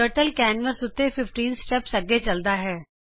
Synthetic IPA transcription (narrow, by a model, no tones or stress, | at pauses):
əɾʈəlkɛːnʋəsʊt̪ːefɪfʈiːnsʈɛpsɐɡet͡ʃɐld̪aɦɛː